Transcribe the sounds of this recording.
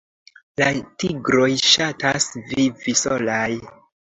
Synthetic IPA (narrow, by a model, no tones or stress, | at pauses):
latiɡɾo̞jʃatasvivisolaj